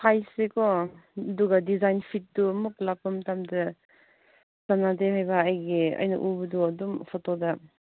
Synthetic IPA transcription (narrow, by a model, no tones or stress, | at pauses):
pʰajsekɔduɡɐdizajnpʰit̚dumuk̚lapɐmtamdɐ | sanadehajbɐːjɡiɐ̰jnɐ̰ʔubɐduɐdumpʰɔtodɐ